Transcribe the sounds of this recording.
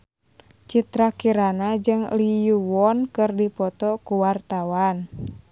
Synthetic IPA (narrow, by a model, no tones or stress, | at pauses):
t͡ʃit̪ɾakiɾanad͡ʒɨŋlijuwɔnkɨrdipɔt̪ɔkuwart̪awan